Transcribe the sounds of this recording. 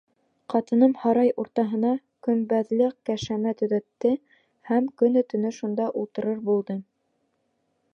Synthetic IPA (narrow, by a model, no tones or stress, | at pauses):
qɑt̪ɤ̆nɤmhɑɾɑjuɾt̪ɑɦɤ̆nɑ | kɵ̆nbæðlɘkkæʃæmæt̪ɵ̆ðæt̪ːɘ | hæmkɵ̆nɵ̆t̪ɵ̆nɵʃund̪ɑʔulˠt̪ɤ̆ɾɤɾbulˠd̪ɤ